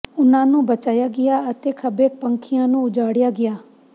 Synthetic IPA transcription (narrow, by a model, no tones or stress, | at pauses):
ʊnãːnũːbət͡ʃaːjaːɡɪjaːət̪eːkʰəbeːk̚pə̃ŋkʰɪjãːnũːʊd͡ʒaːɽɪjaːɡɪjaː